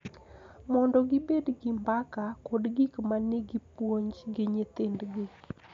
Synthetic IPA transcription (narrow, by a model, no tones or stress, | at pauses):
mɔndɔɡɪbedɡɪmbakakɔdɡikmaneɡipwoɲd͡ʒɡɪɲet̪ɪndɡɪ